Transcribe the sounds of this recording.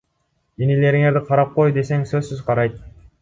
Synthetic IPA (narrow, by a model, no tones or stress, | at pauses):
inile̞ɾiŋe̞ɾd̪iqʰɑɾɑp̚qo̞jd̪e̞se̞ŋsɵzsyzqʰɑɾɑjt̪̚